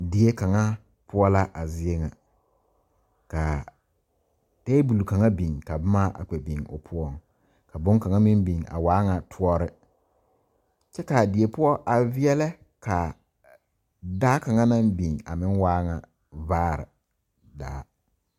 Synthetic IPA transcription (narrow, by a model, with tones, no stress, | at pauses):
dɪ˨e˦ka˨ŋa˦ | pʊ˦ɔ˦la˦ʔa˨zɪ˦e˦ŋa˨ | ka˨ | teː˦bu˨lu˨ka˨ŋa˦bi˨ŋka˨bʊ˦ma˦ʔa̰˨k͡pɛ˨bi˨ŋʊ̰˨pʰʊ˦ɔ˦˨ŋ | ka˨bʊ˦ŋ˦ka˨ŋa˦mɪ˦mbi˨ŋa̰˨waː˨˦ŋa˨tʰʊ˦ɔ˦ɾɪ˦ | t͡ʃɛ˦ka˨dɪ˨e˨pʊ˦ɔ˦ʔa˨vɪ˦ɛ˦lɛ˦ | ka˨ | daː˦ka˨ŋa˦na˦mbi˨ŋa̰˨mɪ˦ŋwaː˦ŋa˨ | vaː˦ɾɪ̰˨ | da̰ː˦